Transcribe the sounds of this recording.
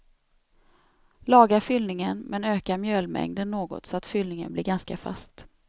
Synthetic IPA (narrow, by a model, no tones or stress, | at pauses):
lɑːɡaɾfʏlnɪŋənmʔɛnøːkaɾmjøːlmɛ̰ŋd̪ənːoːɡɔ̰t̪sɔat̪fʏlnɪŋə̰nblɪɾɡanskafa̰st̪